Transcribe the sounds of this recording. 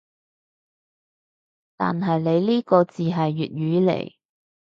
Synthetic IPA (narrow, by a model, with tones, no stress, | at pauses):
t̪a̰ː˨nɦɐ˨jle˨˧jliː˥kɔː˧t͡siː˨ɦɐ˨jːyː˨t̚ɥyː˨˥lḛ˨˩j